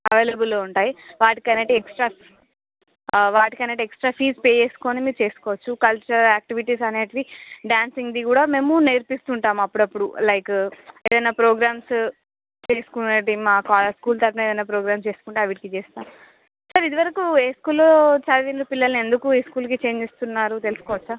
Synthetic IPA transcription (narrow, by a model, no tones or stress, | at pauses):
ɐʋeːlɐbulːoːuɳʈaːjiʋaːʈikɐnɐʈiɛksʈɾaː | ʋaːʈikɐnːeʈiɛksʈɾaːfiːspeːt͡ʃeːsu̥ko̞ːnimiːɾut͡ʃe̞ːsu̥kɔːʋɐt͡ʃːukɐlt͡ʃɐɾɾaːk̚ʈiʋiʈiːsɐneːʈiʋiɖjaːnsiŋɡd̪ikuːɽaːme̞ːmuneɾpist̪uɳʈaːmɐpːuɽɐpːuɽṵlɐjkeːd̪ɐjnːaːpɾoːɡɾaːms | t͡ʃeːsu̥kunɐʈimaːkaːlɐskuːlt̪ɐɾpɐneːd̪ɐjnaːpɾoːɡɾaːmst͡ʃe̞ːsukuɳʈeɐʋiʈikit͡ʃeːst̪aːmu | sɐɾid̪iʋɐɾɐkueːskuːlːot͡ʃalʋinɾupilːɐlnie̞nd̪ukueskuːlk̬it͡ʃe̞ːɲd͡ʒest̪unːaːɾut̪e̞lisu̥kɔːʋɐt͡ʃːuaɾ